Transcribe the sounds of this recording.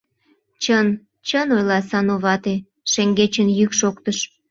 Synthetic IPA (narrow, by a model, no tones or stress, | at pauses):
t͡ɕən | t͡ɕənojlɑsɑnoβɑt̪e | ʃeŋɡet͡ɕənjykʃokt̪əʃ